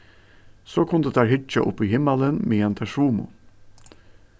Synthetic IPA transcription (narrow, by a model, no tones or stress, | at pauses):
soːkʰʊnd̪əd̪æːɾhɪt͡ʃa̰ʔʊ̰pːiːhɪmːələnmiɛnt̪ʰæʃuːmʊ̰